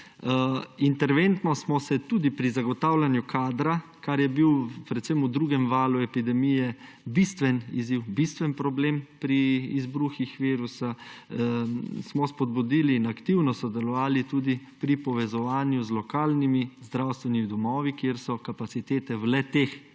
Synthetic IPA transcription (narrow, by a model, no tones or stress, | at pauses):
int̪ɛɾʋent̪nɔsmɔsɛt̪uːd̪ipɾizaɡɔt̪aːwlanjukʰaːd̪ɾa | kaɾjɛbiwpɾɛt̪semud̪ɾuːɡɛmʋaːluɛpid̪ɛmijɛ | bist̪ʋɛnḭziwbist̪ʋɛnpɾɔbleːmpɾiːzbɾuxixʋiːɾusa | smɔspɔd̪̚bud̪iːliːnakt̪iwnɔsɔd̪ɛlɔʋaːlit̪uːd̪ipɾipɔʋɛzɔʋaːnjuzlɔkaːlnimizd̪ɾawst̪ʋɛnimid̪ɔmɔːʋikjeɾsɔkapat̪sit̪eːt̪ɛwlɛt̪eːx